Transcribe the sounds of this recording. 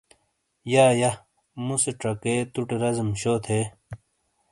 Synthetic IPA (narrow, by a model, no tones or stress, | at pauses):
jaːja | museʈɾɐket̪uʈeɾɐzmɕoːt̪ʰeː